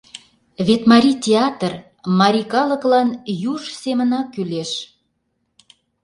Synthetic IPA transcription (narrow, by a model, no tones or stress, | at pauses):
βet̪mɑɾʲit̪ʲeɑt̪ər | mɑɾʲikɑləklɑnjuʒsemənɑkyleʃ